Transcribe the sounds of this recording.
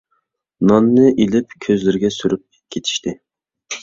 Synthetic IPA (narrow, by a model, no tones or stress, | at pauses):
nɑnːɨʔelɪpkʲʰøzlɪɾɪɡʲɛsyɾyp̚ | kʲʰet̪ʰi̥ʃt̪ʰɪ